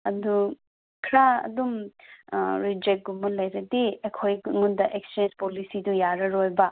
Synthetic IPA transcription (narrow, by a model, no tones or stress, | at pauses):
ɐdu | kʰɾaɐ̰dum | ɾid͡ʒek̚ɡumɐlɐjɾɐdiekʰojŋundɐʔekst͡ʃend͡ʒpolisidujaɾɐɾojbɐ